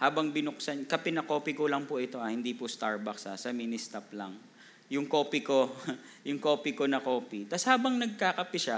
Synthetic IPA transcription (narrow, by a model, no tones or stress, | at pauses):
haːbɐŋbɪnʊk̚sɐnkɐpɪnɐko̞ːpɪkolɐŋpʊʔɪt̪o̞ʔɐhɪnd̪ipʊst̪aɹbɐksasɐminɪst̪ap̚lɐ̰ŋ | jʊŋko̞ːpɪko | jʊŋko̞ːpɪkonɐko̞ːpit̪ɐshaːbɐŋnɐɡ̚kaːkɐpɪʃa